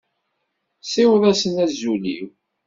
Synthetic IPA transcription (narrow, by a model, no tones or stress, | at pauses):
sɪwðˤæsənæzulḭw